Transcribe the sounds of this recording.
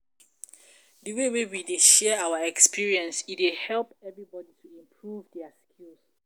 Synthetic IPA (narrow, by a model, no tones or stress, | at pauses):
dəwewewideʃɛawaɛkspiɹiɛ̃nsitwehɛlpɛvɹibɔditʰuĩmpʰɹuvdɛaskʰils